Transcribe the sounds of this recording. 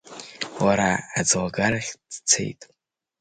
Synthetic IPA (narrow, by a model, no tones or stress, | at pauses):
waɾaad͡zwaɡaraχʲd̥t͡sʰe̞̰jtʼ